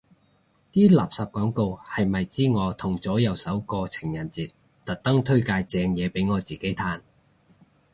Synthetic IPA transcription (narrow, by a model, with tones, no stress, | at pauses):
t̪iː˥la̰ː˨˩p̚sɐ˨p̚kɔː˨˥ŋko˧whɐ˨jmɐ˨jt͡siː˥ŋɔː˨˧t̪ʰʊ˨˩ŋt͡sɔː˨˥jɐ˨˧wsɐ˨˥wkɔː˧t͡sʰɪ̥˨˩ŋjɐ˨˩nt͡siː˨˩t̚ | t̪ɐ˨t̚t̪ɐ˥ŋt̪ʰɵ˥ɥkaː˧jt͡sɛː˨˧ŋjɛː˨˧pe˨˥jŋɔː˨˧t͡siː˨ke˨˥jt̪ʰaː˧n